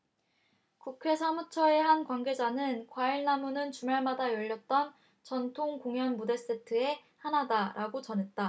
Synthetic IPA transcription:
kukʰe̞sʰamut͡ɕʰʌe̞ɦankwanɡed͡ʑanɯnkwaiɭnamunɯnt͡ɕumaɭmadajʌʎːʌt̚t͈ʌn | t͡ɕʌntʰoŋkoŋjʌnmude̞s͈e̞tʰɯe̞ | hanadaɾʔaɡot͡ɕʌnɦet̚t͈a

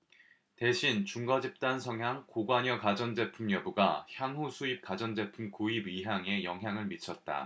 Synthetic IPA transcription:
te̞ɕʰint͡ɕuŋɡʌd͡ʑip̚t͈ansʰʌŋɦjaŋkoɡwaɲʌkad͡ʑʌnd͡ʑe̞pʰumjʌbuɡaçjaŋɦusʰuip̚kad͡ʑʌnd͡ʑe̞pʰumkoibɥiɦjaŋe̞jʌŋɦjaŋɯɭmit͡ɕʰʌt̚t͈a̰

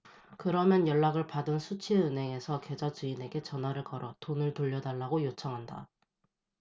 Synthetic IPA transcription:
kɯɾʌmjʌnjʌɭːaɡɯɭpadɯnsʰut͡ɕʰiɯnɦe̞ŋe̞sʰʌke̞d͡ʑat͡ɕuine̞ɡe̞t͡ɕʌnɦwaɾɯɭkʌɾʌtonɯɭtuʎːʌdaɭːaɡojot͡ɕʰʌŋɦanda̰

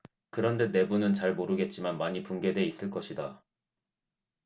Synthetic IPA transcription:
kɯɾʌnde̞ne̞bunɯnt͡ɕaɭmoɾɯɡe̞t̚t͡ɕ͈imanmaɲipunɡe̞de̞is͈ɯɭk͈ʌɕʰida

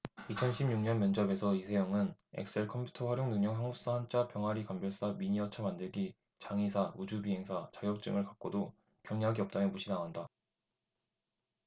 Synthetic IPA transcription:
it͡ɕʰʌnɕʰibɲuŋɲʌnmjʌnd͡ʑʌbe̞sʰʌisʰejʌŋɯne̞̰k̚s͈ʰe̞ɭkʰʌmpʰju̥tʰʌɸwaɾjoŋnɯŋɲjʌŋsaŋup̚s͈aɦant͡ɕ͈ʰapjʌŋɦaɾikambjʌɭs͈amiɲiʌt͡ɕʰʌmandɯɭɡi | t͡ɕaŋisʰaud͡ʑubiɦe̞ŋsʰat͡ɕaɡjʌk̚t͡ɕ͈ɯ̰ŋɯɭkak̚k͈odo | kjʌŋɲaɡiʌp̚t͈amjʌmuɕʰinaŋɦanda

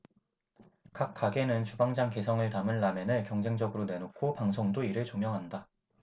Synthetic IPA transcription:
kak̚k͈ʰːaɡe̞nɯnt͡ɕubaŋd͡ʑaŋke̞sʰʌŋɯɭtamɯnːamenɯɭkjʌŋd͡ʑe̞ŋd͡ʑʌɡɯɾone̞nokʰopaŋs̬ʰoŋdoiɾɯɭt͡ɕomjʌŋɦanda

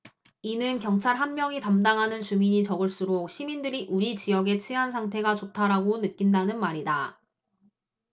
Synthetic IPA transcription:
inɯnkjʌŋt͡ɕʰaɭɦanmjʌŋitamdaŋɦanɯnt͡ɕumiɲit͡ɕʌɡɯɭs͈uɾok̚ɕʰimindɯɾiʔuɾit͡ɕijʌɡe̞t͡ɕʰiɦansʰaŋtʰe̞ɡat͡ɕotʰaɾaɡonɯk͈indanɯnmaɾida

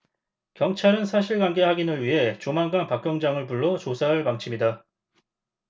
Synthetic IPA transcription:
kjʌŋt͡ɕʰaɾɯnsʰaɕʰiɭɡwaŋɡe̞haɡinɯɭɥiɦe̞t͡ɕomanɡanpak͈jʌŋd͡ʑaŋɯɭpuɭːot͡ɕosʰaɦɯɭpaŋt͡ɕʰimɲida

